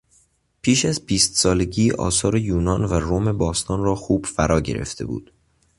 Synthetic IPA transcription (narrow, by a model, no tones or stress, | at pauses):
pʰiːʃæzbiːst̪sɒːle̞ɟiːʔɒ̰ːsɒːɾejuːnɒːnværome̞bɒːst̪ʰɒːnrɒːxuːb̥fæɾɒːɟe̞̰ɾʔe̞̰ft̪ʰe̞̰bṵːd̪̥